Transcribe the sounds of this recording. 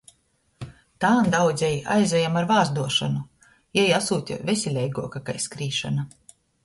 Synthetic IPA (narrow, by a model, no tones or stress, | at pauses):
t̪aːnd̪awd̪zʲɛja̰jzʲɛjamaɾvaːɾzd̪uɔʃa̰nu | jɛjasuːt̪ʲa̰vʲesʲilʲɛjɡuɔkakajskɾiːʃana